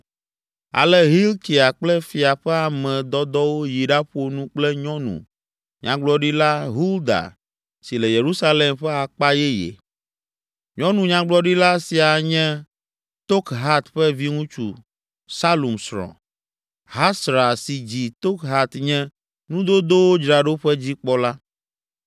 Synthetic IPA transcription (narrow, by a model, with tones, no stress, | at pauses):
a̰˨lɛ˦ɦi˦lk̪i˨a˨k͡plɛ˦fi˨a˨ɸɛ˦a˨mɛ̃˨d̪ɔ˦d̪ɔ˦wo˦ji˨ɖa˦ɸo˦nũ˦k͡plɛ˦ɲɔ̃˦nṵ̃˨ | ɲã̰˨ɡ͡blɔ˨ɖi˦la˦ɦu˦ld̪a̰˨ | si˨lɛ˨je˨ɾu˦sa˦le˨mɸɛ˦a˨k͡pa˦jɛ˦jḛ˨ | ɲɔ̃˦nũ˨ɲã˨ɡ͡blɔ˦ɖi˦la˦si˨a˨ɲɛ̃˦ | t̪o˦kɦa˦t̪ɸɛ˦vi˦ŋũ˦t͡ʃṵ˨ | sa˦lu˨msɾɔ̰̃˨ | ɦa˦sɾa˨si˨d͡ʑi˨t̪o˦kɦa˦t̪ɲɛ̃˦ | nũ˦d̪o˦d̪o˦wo˦d͡ʒɾa˨ɖo˦ɸɛ˦d͡ʑi˦k͡pɔ˦la˦